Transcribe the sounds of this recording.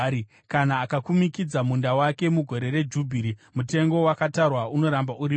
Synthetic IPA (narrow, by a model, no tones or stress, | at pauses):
i | kanaːkakumikid͡zamundawake̞muɡʱo̞ɾe̞re̞d͡ʒubʱiɾimute̞ŋɡo̞wakatarwauno̞ɾambauɾi